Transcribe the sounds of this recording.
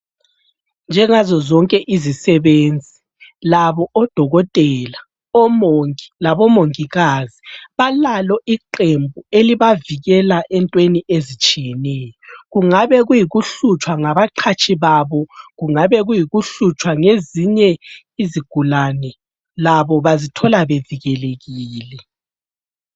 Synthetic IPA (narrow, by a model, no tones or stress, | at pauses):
nd͡ʒʱɛŋazɔzɔŋkʼɛʔizisɛβeːnd͡zʱi | laβɔʔɔd̥ʱɔɣɔtʼɛːla | ɔmoŋilaβɔmoŋiɣaziβalalɔʔiǃembʱueliβaviɣɛlaʔɛntʼweniʔezit͡ʃʼijɛnɛjɔɣuŋaβɛɣujiɣuɬut͡ʃʼwaŋaβaǃʰat͡ʃʼʰiβaβɔɣuŋaβɛɣujiɣuɬut͡ʃʼwaŋeziɲɛ | iziɡ̥ʱulanɛ | laβɔβazitʰɔlaβeviɣɛleɣiːlɛ